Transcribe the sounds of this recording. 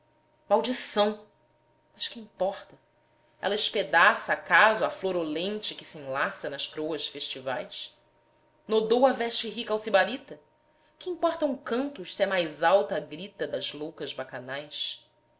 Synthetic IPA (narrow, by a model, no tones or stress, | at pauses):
mawd͡ʒisɐ̃w̃ | mɐʃkɪĩpɔχt̪ɐ | ɛ̰lɐɪʃped̪asɐːkazʊɐfloɾolẽnt͡ʃɪkɪsiẽlasɐnɐʃkɾowɐʃfeʃt͡ʃivajs | nod̪owɐvɛʃt͡ʃɪɦikawsibaɾit̪ɐ | kɪĩpɔχt̪ɐũkɐ̃nt̪ʊʃsiɛmajzawt̪ɐːɡɾit̪ɐd̪ɐzlowkɐʒbakanajs